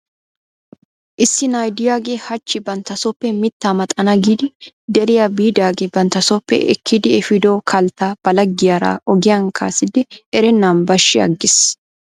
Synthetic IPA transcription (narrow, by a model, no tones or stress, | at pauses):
ʔɪsːɪnaːjd̪ɪjaːɡehɐt͡ʃːɪbɐnt̪ɐsɔpːɛmɪt̪ːaːmɐt̪ʼɐnɐɡiːd̪ɪ | d̪ɛɾɪjɐbiːd̪aːɡɛbɐnt̪ɐsɔpːɛ̰ʔɛ̰kʰːid̪ɪɛfɪd̪oːkʰɐlt̪aːb̥ɐlɐɡːɪjaːɾa̰ːʔɔɡɪjaŋkʰa̰ːsɪd̪ɛɾɛnːaːnbɐʃːɪɐ̰ɡːɪs